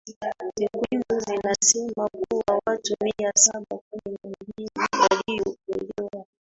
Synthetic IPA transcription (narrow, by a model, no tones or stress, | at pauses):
tɛkwimbuzinasɛmakuwawatumiasaɓakumimiɡiniwalijɔkulɛwa